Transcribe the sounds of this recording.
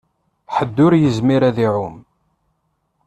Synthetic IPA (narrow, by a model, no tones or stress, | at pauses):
ħəd̪ːʊɾjəzmiɾæðiʕʊm